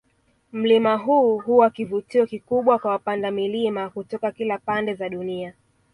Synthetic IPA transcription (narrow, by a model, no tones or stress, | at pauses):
m̩limaɦuːɦuwakivutiɔkikuɓwakwawapandamilimakutɔkakilapandɛzaɗunia